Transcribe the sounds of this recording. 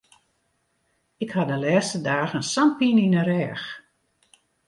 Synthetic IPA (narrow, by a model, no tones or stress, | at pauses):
ɪkhadəlɛːstədaːɣənsanpininəɾɛːx